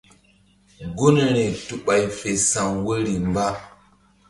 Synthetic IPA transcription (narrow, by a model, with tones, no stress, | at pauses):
ɡo˦ne˨ɾe˨tu˨ɓa˨jfe˨sa˨ŋwə˦ɾi˨mba˦